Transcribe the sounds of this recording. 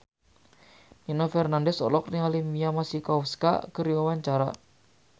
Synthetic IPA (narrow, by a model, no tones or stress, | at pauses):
inɔfɛrnandɛsɔ̰lɔk̚niŋalimiamasikauska̰kəɾiwawaɲt͡ʃaɾa̰